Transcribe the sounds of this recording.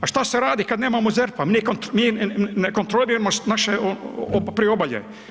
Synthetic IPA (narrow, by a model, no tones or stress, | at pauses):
aʃt̪asɛɾaːd̪ikad̪neːmamozɛɾpamiːkont̪miːnɛkont̪ɾoliɾemosnaʃɛoobpɾiobaljɛ̰